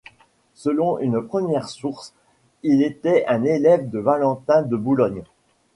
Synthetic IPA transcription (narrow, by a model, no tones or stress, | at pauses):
səlɔ̃ynpχəmjɛʁsuʁs | ilet̪ɛʔɛ̃nelɛvd̪əvalɑ̃t̪ɛ̃d̪əbulɔɲ